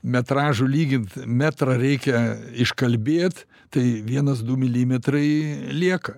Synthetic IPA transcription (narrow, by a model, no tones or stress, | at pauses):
mʲɛt̪ɾɑːʒʊlʲiːɡʲɪnt̪mʲæt̪ɾɐɾʲɛɪkʲɛɪʃkɐlʲbʲeːt̪ | t̪ɐɪʋʲiɛnɐsd̪ʊmʲɪlʲiːmʲɛt̪rɐɪlʲiɛkɐ